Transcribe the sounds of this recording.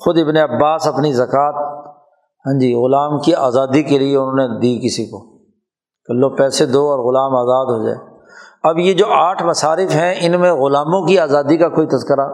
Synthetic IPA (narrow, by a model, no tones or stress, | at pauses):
xʊd̪ɪbneɐbːaːsɐpnizɐkaːt̪̚ | ɦɛ̃ɲd͡ʒiːɣʊlaːmkiaːzaːd̪ikelieʊnɦõːned̪iːkɪsikoː | kɐlːoːpɛːsed̪oːɔːɾɣʊlaːmaːzaːd̪ɦoːd͡ʒa̰ːe | ɐbjed͡ʒoːʔaːʈʰmɐsaːɾɪfɦɛ̃ʔɪnmẽɣʊlaːmõkiaːzaːd̪ikakoːit̪ɐzkəɾaː